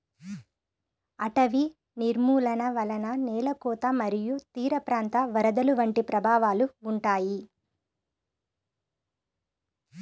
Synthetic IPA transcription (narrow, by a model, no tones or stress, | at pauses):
ɐʈɐʋi | niɾmuːlɐnɐʋɐlɐnɐnɛːlɐkɔːt̪ɐmɐɾijut̪iːɾɐpɾaːnt̪ɐʋɐɾɐd̪ɐluʋɐɳʈipɾɐbʱaːʋaːluːɳʈaːji